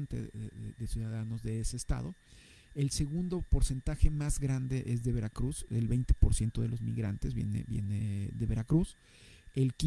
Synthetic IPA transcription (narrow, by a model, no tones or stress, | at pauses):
nt̪ḛðḛðeðesjuðaðano̞zðe̞ese̞ːst̪a̰ðo̞ | e̞lse̞ɣund̪o̞po̞ɾse̞nt̪axe̞mazɣɾand̪e̞ʔezðe̞βe̞ɾakɾusḛlβe̞jnt̪e̥po̞ɾsje̞nt̪o̞ðelo̞zmḭɣɾant̪ezβjḛnḛbjḛneðe̞βe̞ɾakɾus | e̞lki